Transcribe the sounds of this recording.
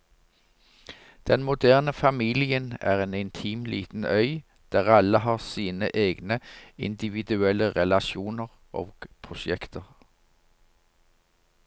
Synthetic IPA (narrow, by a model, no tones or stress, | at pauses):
d̪̥ɛnmʊd̪æːʁnəfɑmiːlɪənæ̰ːʁeːnɪnt̪ʰiːmlḭːt̪n̩œʏ | d̪̥æːʁɑləɦɑːʁsiːnəʔeːɡnəɪ̰nd̪ɪʋɪd̪ʉɛləʁɛlɑʃuːnəʁ | ʔo̰ːɡ̥pʰʁʊʃɛkt̪əʁ